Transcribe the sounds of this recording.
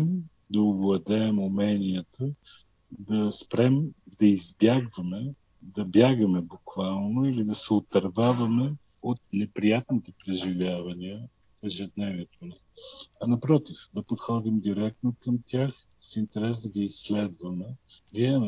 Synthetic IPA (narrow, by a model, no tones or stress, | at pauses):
m | d̪ɐovlˠɐd̪ɛːmumɛniət̪ə | d̪ɐspɾɛmd̪ɐizbjaɡvɐmɛ | d̪ɐbjaɡɐmɛbukvalˠnoilid̪ɐsɛot̪ɐɾvavɐmɛ | ot̪̚nɛpɾijat̪nit̪ɛpɾɛʒivʲjavɐniə | ɛʒɛd̪nɛviɛt̪onɛɐnɐpɾɔt̪ifd̪ɐpot̪xɔd̪imd̪iɾɛk̚t̪nokəmt̪ʲjax | sint̪ɛɾɛsd̪ɐɡiisːlɛd̪vɐmɛviɛ